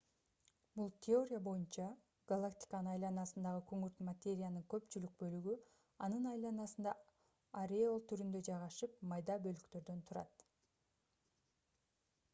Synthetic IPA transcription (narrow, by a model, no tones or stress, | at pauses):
bulˠt̪ʲʰeo̞ɾʲɪjabo̞junt͡ʃɑ | ɡ̥alˠakt̪ʲi̥kanɯnɑjlˠɑnɑsɯnd̪ɑʁɯkʰøŋyɾt̪mat̪ʲe̞ɾʲɪjanɯŋkø̞pt͡ʃylyk̚bø̞lyɡy | ɑnɯnɑjlˠɑnɑsɯnd̪ɑ | aɾʲeolˠt̪ʰyɾynd̪ø̞d͡ʒɑjʁɑʃɯp̚mɑjd̪ɑbø̞lykt̪ø̞ɾd̪ø̞nt̪ʰuɾɑ̰t̪